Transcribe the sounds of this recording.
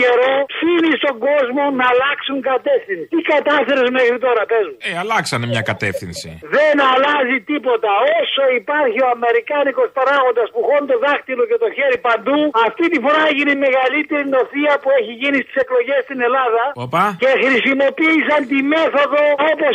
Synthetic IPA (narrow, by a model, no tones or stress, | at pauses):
eɾoθinist̪o̞ŋɡo̞zmo̞nɐːlɐksuŋkɐt̪e̞fθinsit̪ikɐt̪ɐθe̞ɾezmexɾit̪o̞ɾɐpezmueɐlɐksɐnemɲɐkɐt̪ḛfθinsḭðenɐlɐzit̪ipo̞t̪ɐo̞so̞ipɐɾçioɐme̞ɾikɐniko̞spɐɾɐɣo̞nd̪ɐspuxo̞nt̪o̞ðɐxt̪iloce̞t̪o̞çeɾipɐnd̪uɐft̪it̪ifo̞ɾɐeʝinime̞ɣɐlit̪eɾino̞θiɐpueçiʝinist̪i̥se̞klo̞ʝe̞st̪ine̞lɐðɐopɐce̞xɾisimo̞piːsɐnt̪imeθo̞ðo̞opo